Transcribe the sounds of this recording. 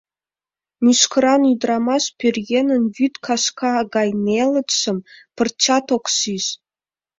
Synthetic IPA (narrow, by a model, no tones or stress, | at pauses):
nʲyʃkɤ̆ɾɑnyd̪rɑmɑʃpʲørʲjenə̆nvyt̪kʰɑʃkɑɡɑjnʲelə̆t̪ʃə̆mpə̆rt͡ɕɑt̪okʃiʃ